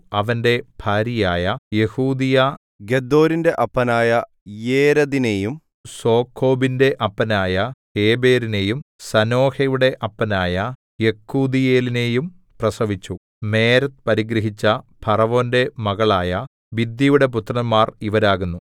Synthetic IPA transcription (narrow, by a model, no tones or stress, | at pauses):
ɐʋɐnde̞bʱaːɾijaːjɐje̞huːd̪ijɐ | ɡed̪ːo̞ːɾinde̞ʔɐpːɐnaːjɐ | jeːɾɐðine̞jum | so̞ːkʰːo̞ːbinde̞ʔɐpːɐnaːjɐ | e̞ːbe̞ːɾine̞jumsɐno̞ːhɐjuɽe̞ʔɐpːɐnaːjɐ | je̞kʰːuːd̪ije̞ːline̞ːjum | prɐsɐʋit͡ɕːu | me̞ːɾɐt̪ːpɐɾiɡɾɐɦit͡ɕːɐpʰɐrɐʋo̞ːnde̞mɐɣɐɭaːjɐ | ʋid̪jijuɽe̞p̬ut̪rɐmːaːriʋɐɾaːɣunːu